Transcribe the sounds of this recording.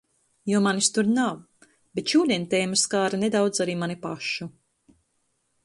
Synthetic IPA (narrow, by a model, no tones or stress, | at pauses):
juɔmanist̪uɾnaw | bet̪ʃuːlʲɛnt̪ʲɛjmɨskaːɾaned̪awd̪zaɾiːmanipaʃːu